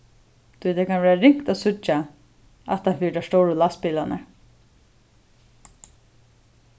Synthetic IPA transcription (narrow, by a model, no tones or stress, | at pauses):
t̪ʰʊjt̪ʰaːkanʋɛːaɾɪŋkt̪asʊt͡ʃːa | at̪hanfiːʈaʂt̪owɾəlaspiːlanə̰